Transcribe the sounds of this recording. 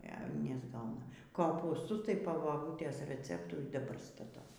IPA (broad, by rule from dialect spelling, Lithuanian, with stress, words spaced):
ɛ nʲɛzˈɡɐʊnɐ koːpuːsˈtʊs tɐɪ poː bɐˈbuːtʲeːs rʲɛˈt͡sʲæːptʊ iː dɐˈbɐr stɐˈtɐʊ